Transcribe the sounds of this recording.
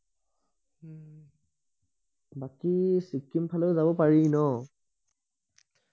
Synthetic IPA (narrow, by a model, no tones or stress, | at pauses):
bakisikːimpʰalɔʊzabɔpaɹinɔ